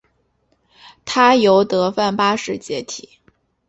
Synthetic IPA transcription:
t̪ʰa˥jo˧˥ʊt̪ɤ˧˥fa˥˩npa˥ʂɻ̩˥˩t͡ɕjɛ˧˥t̪ʰi˨˩˦

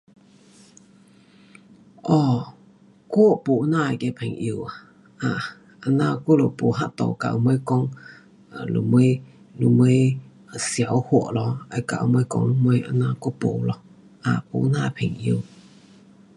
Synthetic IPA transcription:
ʔɔ˧˩ | ku˦po˨ʔna˧˨kɛ˧˨pʰɛ˨ŋʔi˧ə˧wa˨ | ʔa˧˨ | ʔa˧na˧ku˦˨lo˨po˨ɦa˦˨ʔt̪o̰˨wka̰˨ʔmə˦jkɔ˦ŋ˨ | lo̰˨mə˦j | lu˧˨mə˧˦j | sja˨˦whu˧˩ə˨ʔlɔ˧ʔa˧˨jka̰˧˨ʔmə˧˦jkɔ̰˧ŋlu˧mə˧˦jʔa˧˨na˧ku˦˥˦po˨lɔ˧ | ʔa˧˨po̰˨ʔna˦˧˨pʰɛ˨ŋʔi˧ə˧˨w

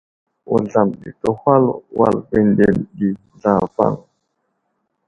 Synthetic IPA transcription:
wu˨ɮa˨mɗḭ˨tə˨hwa˦lwa̰˨lbe˨nde˨ndi˨ | ɮa˨va̰˦˨ŋ

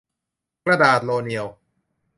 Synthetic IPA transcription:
kɾa˧daː˨˩t̪̚loː˧ni˧əw

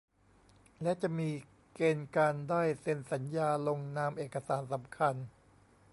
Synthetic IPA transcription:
lɛ˦˥ʔt͡ɕa˨˩ʔmiː˧ | keː˧nkaː˧ndaː˥˩jse˧nsa˩˦njaː˧lo˧ŋnaː˧mʔeː˨˩kːa˧saː˩˦nsa˩˦mkʰa˧n

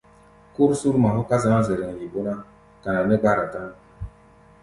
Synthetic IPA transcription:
ku˦ɾsu˦ɾma˨ɦu˦ka˦za˦a˦zɛ˨ɾɛ˨ŋ˨ji˨bo˦na˦ | ka˨na˨nɛ˦ɡa˦˨ɾa˨ta˦ŋ˨

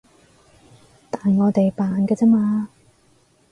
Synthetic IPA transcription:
t̪aː˨nŋɔː˨˧t̪e˨jpaː˨nkɐː˧t͡sɛː˥maː˧

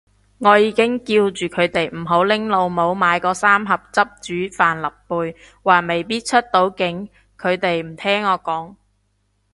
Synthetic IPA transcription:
ŋɔː˨˧jiː˨˧kɪ˥ŋkiː˧wt͡ʃyː˨kʰɵ˨˧ɥt̪e˨jm̩˨˩ɦo˨˥wlɪ˥ŋlo˨˧wmo˨˧wmaː˨˧jkɔː˧saː˥mɦɐ˨p̚t͡sɐ˥p̚t͡ʃyː˨˥faː˨˩nlɐ˨pːuː˨˧j | waː˨˩me˨˩jpiː˥t̚t͡ʃʰɵ˥t̚t̪o˨˥wkɪ˨˥ŋ | kʰɵ˨˧ɥt̪e˨jm̩˨˩t̪ʰɛː˥ŋːɔː˨˧kɔː˨˥ŋ

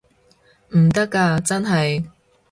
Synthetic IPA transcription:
m̩˨˩t̪ɐ˥kːaː˧t͡sɐ˥nɦɐ˨j

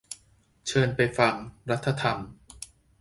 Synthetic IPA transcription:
t͡ɕʰɤː˧npa˧jfa˧ŋɾa˦˥t̪ʰːa˧t̪ʰa˧m

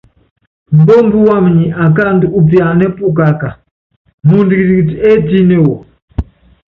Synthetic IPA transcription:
m̩˨bɔ˦mbu˦wa˦m˨ɲi˨ʔa˨k̬a˦ndu˦u˦pja˨nɛ˦pu˦k̬a˨ka˨ | mu˦ndi˨ki˨ɾi˨kti˨ɛ˦ti˦nɛ˦˨wɔ˨

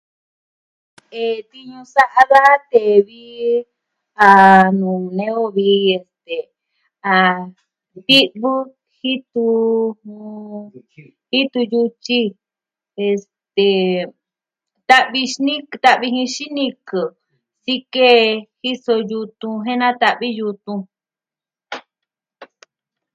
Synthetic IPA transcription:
e˨t̪i˧ɲũ˧sa˦ʔa˧ða˦ʔa˦t̪e˨βi˦ | a˧nũ˨nẽ˦o˦βi˧e˧st̪e˨ | a˨ | t̪i˦ʔβɨ˦ | hi˦t̪u˧hũ˧ | hi˦t̪u˧ju˧t͡ʃi˦ | e˧s | t̪e˨ | t̪a˦ʔβi˧ʃnĩ˦kt̪a˦ʔβi˧hĩ˧ʃi˦nĩ˧kɨ˨ | si˦ke˦hi˦so˧ju˧t̪ũ˧ɦẽ˦nã˦t̪a˧ʔβi˦ju˧t̪ũ˧

